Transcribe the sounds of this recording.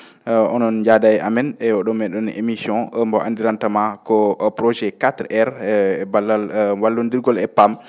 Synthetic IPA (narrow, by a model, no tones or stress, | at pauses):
ɔnɔnd͡ʒadajʔamɛnɛɔɗɔmːɛɗɔnḛmisjɔ̃mbɔʔa̰ndiɾantamakɔpɾɔd͡ʒɛkatɾɛɾbalːalwalːundiɾɡɔlɛpam